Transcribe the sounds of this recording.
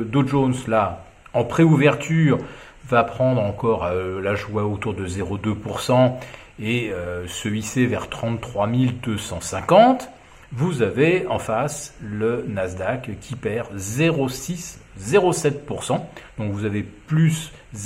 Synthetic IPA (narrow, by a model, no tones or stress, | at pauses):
d̪oʒonsla | ɑ̃pχeuvɛʁt̪yːʁ | vapχɑ̃d̪ʁɑ̃kɔʁølaʒwaot̪uʁd̪əzeʁod̪øpuʁsɑ̃ | eøsəɥisevɛʁt̪χɑ̃t̪ːχwamild̪øsɑ̃sɛ̃kɑ̃t̪ | vuzaveɑ̃faslənazd̪akkʲʰipɛʁzeʁosiszeʁosɛt̪̚puʁsɑ̃d̪̥ɔ̃kvuzaveplys